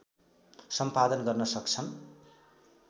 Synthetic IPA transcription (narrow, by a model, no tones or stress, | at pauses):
sʌmpad̪ʌnɡʌrnʌsʌkt͡sʰʌn